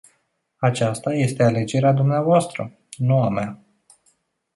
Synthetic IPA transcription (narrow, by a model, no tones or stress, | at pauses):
at͡ʃast̪aje̞st̪e̞ale̞d͡ʒe̞ɾead̪umneavoast̪ɾə | nuamea